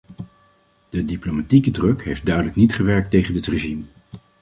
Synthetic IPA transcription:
d̥ədiplomatikədrɵkɦejft̚dœɥdələknitχəʋɛɹk̚tejχənətreʒim

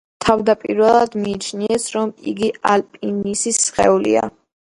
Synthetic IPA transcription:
t̪ʰavd̪apʼiɾvɛlˠad̪miːt͡ʃʰniɛsɾɔmḭɡialpʼinisisχɛ̰ulḭa̰

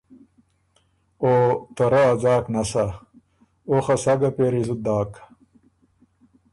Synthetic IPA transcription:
oːt̪ɐɾɐːd͡zaːknɐsa | oχɐsɐɡɐpeɾizud̪aːk

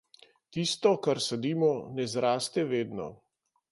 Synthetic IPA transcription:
t̪ist̪ɔkaɾsɛd̪iːmɔnɛzɾaːst̪ɛʋeːd̪nɔ̰

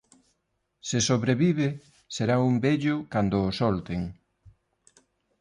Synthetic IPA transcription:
sesoβɾeβiβe | seɾaumbeʎʊkand̪ʊːsɔlt̪eŋ

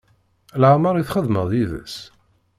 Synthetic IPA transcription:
lʕməɾˤiθχəðmə̰ðˤjiðə̰s

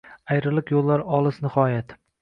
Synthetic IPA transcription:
ajɾɪlˠɪqjolˠːaɾɒlˠɪsnɪhɒjat̪

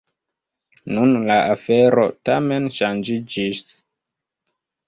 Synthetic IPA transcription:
nunlaʔafeɾo̰tame̞nʃand͡ʒid͡ʒis

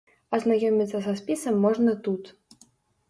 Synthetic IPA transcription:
ɐznajɔmʲit̪sːɐsɐspʲisɐmːɔʐnɐt̪ut̪

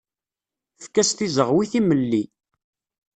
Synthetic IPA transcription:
fkːæst̪izəʁwiθiməlːi

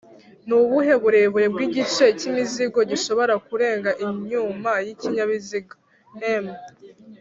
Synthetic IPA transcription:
nuβuɦe̞βuɾe̞βuɾe̞bɡiɟit͡ʃe̞cimiziɡo̞ɟiʃo̞βo̞ɾakuɾe̞ːŋɡaʔiɲɲuːmajiciɲaβiziɡa | neme

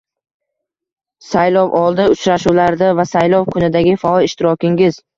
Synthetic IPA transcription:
sajlɒwʔɒlˠd̪ɪʊt͡ʃɾaʃulaɾd̪avasajlɒwkʰʊnɪd̪aɡʲɪfaɒlˠɪʃt̪ɪɾɒkʲɪŋʲɪz

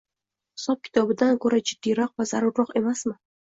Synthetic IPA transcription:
hɪsɒp̚kʲʰɪ̥t̪ʰɒbɪd̪ankʰɵɾad͡ʒɪd̪̥ːijɾɒq̚vazaɾʊɾːɒqe̞masmɪ

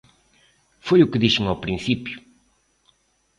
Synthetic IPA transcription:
fojukɨðiʃeŋawpɾĩθipju

